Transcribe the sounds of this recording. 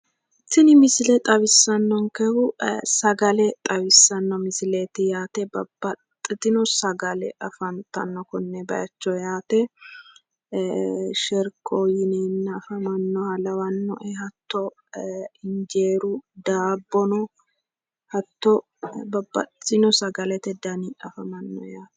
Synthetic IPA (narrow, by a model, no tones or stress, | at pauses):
ɪt̪ːɪnɪmɪsɪlɛt̪ʼɐwɪsːɐnːɔŋkɛhʊsɐɡɐlɛt̪ʼɐwɪsːɐnːɔmɪsɪleːt̪ɪjaːt̪ɛbɐ̰bːɐt̪ʼːɪt̪ɪnɔsɐɡɐlɛ̰ɐfɐnt̪ɐ̰nːɔkɔnːɛbɐ̰jɐt͡ʃːɔjaːt̪ɛ | ʃɛɾkʼojɪnenːɐɐfɐmɐnːɔhɐlɐwɐnːɔ̰ʔɛhɐt̪ːɔ | ɪnd͡ʒeːɾʊd̪aːbːɔnɔ | hɐt̪ːɔ | bɐbːɐ̰t̪ɪnɔsɐɡɐlɛt̪ɛd̪ɐniɐfɐmɐnːɔ̰jaːt̪ɛ̥